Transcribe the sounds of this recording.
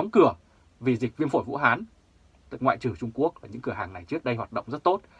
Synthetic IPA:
ɔ˨˦wŋ͡mkɨ˧˩ə | vi˨˩zï˨˩k̟̚vi˧ənfo˧˩jvṵ˧˥ɦaː˨˦n | t̪ɨ˨˩kŋwa̰ː˧˨jt͡ɕɨ˨˩t͡ɕʊ˧ŋ͡mku˦˥ək̚vaː˨˩ɲɨ̰˧˥ŋkɨ˧˩əhaː˨˩ŋna˨˩jt͡ɕɨ˦˥ək̚ɗə˧jɦwaː˨˩t̚ɗə̰˧˨ŋ͡mzə˦˥t̚t̪o˦˥t̚

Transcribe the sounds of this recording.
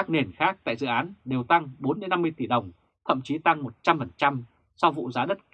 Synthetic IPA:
a˦˥k̚ne˨˩nxaː˦˥k̚t̪a̰ː˧˨jzɨ̰˧˨ʔaː˨˦nɗe˨˩wt̪a˧ŋɓo˨˦nmɨ˧jnːa˧mːɨ˧əjt̪i˧˩ɗə˨˩wŋ͡m | t̪ʰə̰˧˨mt͡ɕi˨˦t̪a˧ŋmo˨˩t̚t͡ɕa˧mfə˨˩nt͡ɕa˧m | sa˧wvṵ˧˨zaː˨˦ɗə˦˥t̚

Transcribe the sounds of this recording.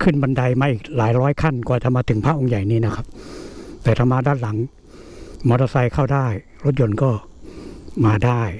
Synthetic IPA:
kʰɯ˥˩nba˧nda˧jmaː˧ʔiː˨˩k̚laː˩˦jɾɔː˦˥jkʰa˥˩nkɔː˨˩t͡ɕa˨˩maː˧t̪ʰɯ˨˩˦ŋpʰaː˧˥˩ʔo˧ŋja˨˩jniː˦˥˩na˦˥kʰa˦˥p̚t̪ɛː˨˩t̪ʰa˧˩maː˧daː˧˥˨nla˩˦ŋ | mɔː˧ɾɔ˧˩sa˧jkʰaː˥˩wdaː˥˩j | ɾo˦˥t̪̚jo˧nkɔː˥˩ | maː˧daː˥˩j

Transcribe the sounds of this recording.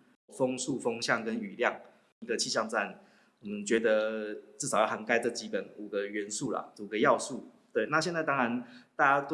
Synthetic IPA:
fo˦ŋsu˥˨fɤ˥ŋɕjɑ˥˨˩ŋkə˦˥ny˨˩ljɑ˥˩ŋ | i˧˥ɡə˨t͡ɕʰi˥˧ɕjɑ˥˧ŋt͡sa˥˩n | wɔ˨˩mə˨˦nt͡ɕɥɛ˧˥d̪ə˧ʈ͡ʂɻ̩˥˩sɑ˨˩jha˧˦nka˥ɪt͡sə˥˩t͡ɕi˥pə˨˩nu˨˩ɡə˦ɥɛ˧˦˥nsu˥˩la̰˩u˨˩ɡə˦jɑ˥˧ʊsu˥˩ | t̪we˥˩ɪna˥˧ɕ̬jɛ˥˧nt͡sa˥˩ɪt̪ɑ˥ŋɻa˧˦nt̪a˥˧t͡ɕja˥t̪

